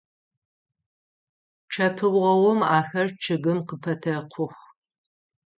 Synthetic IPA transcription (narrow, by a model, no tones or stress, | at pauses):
ʈ͡ʂʰɐpʰɨʁɐwɔmaːxɐrt͡ʃʰɨɡɨmqəpʰɐtʰɐqʷʰʊxʷ